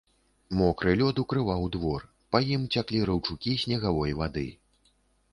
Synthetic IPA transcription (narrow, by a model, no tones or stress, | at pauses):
mɔkɾɨlʲɔd̪ukɾɨvawd̪vɔr | pɐjimt͡sʲaklʲiɾɨwt͡ʂukʲisʲnʲɛɣavɔjvad̪ɨ̰